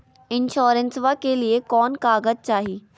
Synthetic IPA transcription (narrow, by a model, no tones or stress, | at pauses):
ɪnʃɔːɾənsʋakeliekɔːnkaːɡəd͡ʒ̚t͡ʃaːɦiː